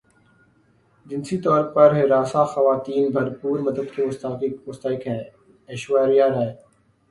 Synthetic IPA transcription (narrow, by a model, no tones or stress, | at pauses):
d͡ʒɪnsiːt̪ɔːɾpɐɾɦeɾaːsaːxəʋaːt̪iːnbʱɐɾpuːɾməd̪ʱəd̪kemʊst̪aːkɪkmʊst̪aːɪkɦɛ̃ː | eːʃʋaːɾijãːɾɛː